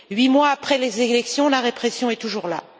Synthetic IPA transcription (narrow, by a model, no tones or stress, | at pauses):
ɥimwaːpχɛlezelɛksjɔ̃laʁepχɛsjɔ̃ɛt̪uʒuʁla̰